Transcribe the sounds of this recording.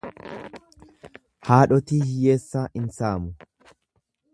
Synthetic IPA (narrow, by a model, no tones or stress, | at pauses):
haːᶑɔt̪iːhɪjeːsːɐʔɪnsaːmʊ